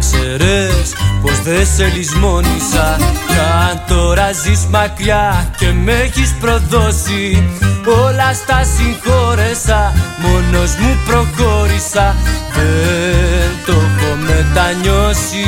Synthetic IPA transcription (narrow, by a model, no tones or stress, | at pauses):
seɾespozðeselizmonisakant̪oɾazismakjakemeɣispɾoðosi | olast̪asĩŋkoɾesamonozmupɾokoɾisave | nt̪okomet̪aɲosi